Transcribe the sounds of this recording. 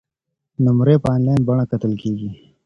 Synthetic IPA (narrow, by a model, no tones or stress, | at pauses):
nʊmɾeːpaːnlajnbɐɳ̃akɐt̪əlkeːɡi